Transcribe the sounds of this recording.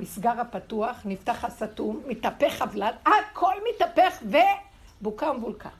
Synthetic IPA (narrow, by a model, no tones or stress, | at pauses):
misɡaʁhapatuaχnift̪aχhasatumːit̪ape̞χavladakʰolmitapeχve | bukaumbulkʰa̰